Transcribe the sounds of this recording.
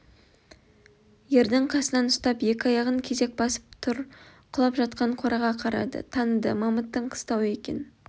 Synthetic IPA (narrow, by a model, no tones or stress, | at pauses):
je̞ɾd̪ɪɴqʰɑsənɑnʊst̪ɑpje̞kʲɪɑjɑʁəŋkʲʰe̞ze̞k̚bɑsə̥p̚t̪ʰʊɾqʰʊlˠɑpʒɑt̪̚qɑɴqʰoɾɑʁɑqʰɑɾɑ̰d̪ə̰t̪ʰɑnəd̪əmɑmət̪ːəɴqʰə̥st̪ɑwe̞kʲe̞̰n